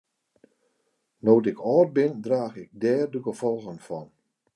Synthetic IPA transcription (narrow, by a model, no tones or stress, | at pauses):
noːtɪkʰɔːt̚bɪndraːɣɪk̚dɛːrdəɡəvɔlˠɣənfɔn